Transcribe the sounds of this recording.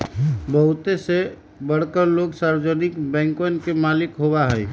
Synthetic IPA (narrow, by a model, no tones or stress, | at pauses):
bəɦʊt̪ese | bəɽkəɾloɡsaɾd͡ʒənikbɛ̃ːŋkonkemalikɦobaɦəj